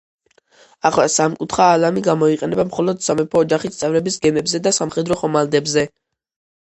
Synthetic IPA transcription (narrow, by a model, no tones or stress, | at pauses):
aχlasamkʼut̪ʰχaːlamiɡamɔiqʼɛnɛbamχɔlɔd̪samɛpʰɔːd͡ʒaχist̪sʼɛvɾɛbisɡɛmɛbzɛd̪asamχɛd̪ɾɔχɔmald̪ɛbzɛ